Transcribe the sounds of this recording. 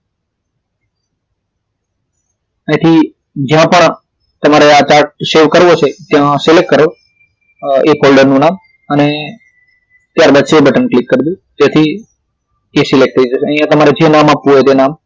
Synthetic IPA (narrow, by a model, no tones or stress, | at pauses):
ə̃t̪ʰi | d͡ʒjãpəɳ | t̪əmaɾeat͡ʃaɾʈ̚ʃeʋkəɾʋot͡ʃʰet̪jãselek̚ʈkəɾo | epʰolɖəɾnũnam | əne | t̪jaɾbad̪ʃeːbəʈənklikːəɾd̪ũt̪jat̪ʰi | esilek̚ʈ̚tʰəid͡ʒət͡ʃʰeəɦijãt̪əmaɾed͡ʒẽnamapʋũɦojt̪enam